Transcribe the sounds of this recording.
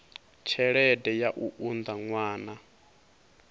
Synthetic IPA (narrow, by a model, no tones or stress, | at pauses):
t͡ʃʰɛɺɛdɛjaʔuʔund̪aŋwaːna